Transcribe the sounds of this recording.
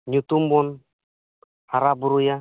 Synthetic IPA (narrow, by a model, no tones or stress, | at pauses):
ɲut̪umbɔn | haɾabuɾuja